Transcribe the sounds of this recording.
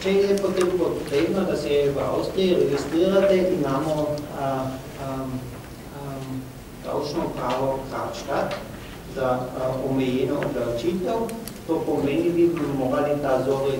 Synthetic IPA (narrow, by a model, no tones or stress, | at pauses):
t͡ʃɛjɛpot̪eːmpot̪ɾeːbnad̪asɛʋa̰wst̪ɾijiɾɛɡist̪ɾiːɾat̪ɛʔimaːmɔ | d̪a̰wt͡ʃnɔpɾaːʋɔkɾat͡ʃka | zaɔmɛjɛːnɔːblawt͡ʃiːt̪ɛw | t̪oːpomeːnibibimoːɡalit̪azoːɾɛ